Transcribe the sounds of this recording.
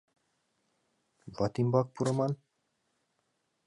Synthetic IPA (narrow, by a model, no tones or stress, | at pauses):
vɑt̪imbɑk̚puɾɤ̆mɑn